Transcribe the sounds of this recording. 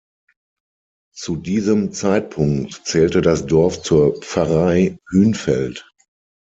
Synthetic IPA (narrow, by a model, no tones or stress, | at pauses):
t͡sudiːzəmt͡saɪt̚pʰʊŋktt͡sɛːltədasd̥ɔɐft͡suːɐpp͡faʁaɪhyːnfɛlt